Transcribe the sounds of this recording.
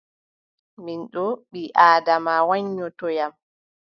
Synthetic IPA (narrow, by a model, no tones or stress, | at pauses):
minɗɔɓiʔaːdamawaɲːɔtɔjam